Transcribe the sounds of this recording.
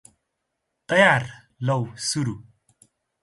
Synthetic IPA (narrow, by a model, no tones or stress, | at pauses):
t̪ɐjar | lɐwsuɾu